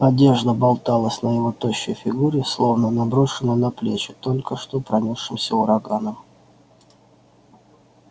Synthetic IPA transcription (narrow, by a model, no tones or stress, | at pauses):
ɐdʲe̞ʐd̪əbɐlˠt̪alˠəsʲnəjɪvot̪oɕːʊ̰jfʲɪɡuɾʲɪslˠo̞vnənɐbɾoʂɨnənɐplʲet͡ɕɪt̪o̞lʲkəʂt̪opɾɐnʲiʂɨmsʲəʊɾɐɡanəm